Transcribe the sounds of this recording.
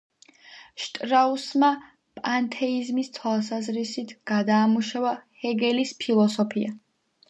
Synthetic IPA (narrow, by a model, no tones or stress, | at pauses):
ʃt̪ʼɾausma | pʼant̪ʰɛizmist̪ʰwalˠsazɾisit̪ʰɡ̥ad̪aːmuʃavahɛɡɛlispʰilˠɔsɔpʰia